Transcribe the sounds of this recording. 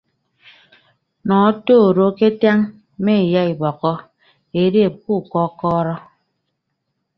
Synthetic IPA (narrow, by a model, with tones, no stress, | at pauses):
nɔː˨˦toː˦˨ɾo˦ke˦tja˦ŋ | me˦˨ja˦i˨bɔ˨kɔ˦ | e˨˦ɾe˦˨p̚ku˦˨kɔ˦kɔː˦ɾɔ˦